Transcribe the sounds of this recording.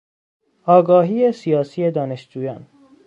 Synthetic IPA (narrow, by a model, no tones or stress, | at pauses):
ɒːɡɒːɦiːesijɒːsiːed̪ɒːneʃd͡ʒuːjɒːn